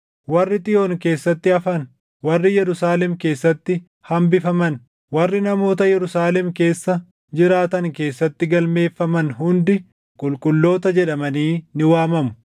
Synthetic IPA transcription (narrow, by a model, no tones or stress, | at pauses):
wɐrːɪt̪ʼɪjoːŋke̞ːsːɐt̪ːɪɐfɐn | wɐrːɪjɛɾʊsaːlɛmke̞ːsːɐt̪ːɪ | hɐmbɪfɐmɐn | wɐrːɪnɐmo̞ːt̪ɐjɛɾʊsaːlɛmke̞ːsːɐ | d͡ʒɪɾaːt̪ɐŋke̞ːsːɐt̪ːɪɡɐlme̞ːfːɐmɐnhʊnd̪ɪ | kʼʊlkʼʊlːo̞ːt̪ɐd͡ʒɛᶑɐmɐniːnɪwaːmɐmʊ̥